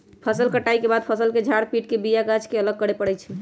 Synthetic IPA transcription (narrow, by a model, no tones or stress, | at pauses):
pʰəsəlkəʈaikebad̪̚pʰəsəlked͡ʒʱaɽpiʈkebijaɡad͡ʒkeələɡ̚kəɽepəɽɛt͡ʃʰɛ